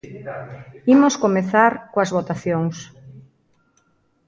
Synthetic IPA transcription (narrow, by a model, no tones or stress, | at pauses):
imoʊskomeθaɾkowɐzβot̪aθjoŋs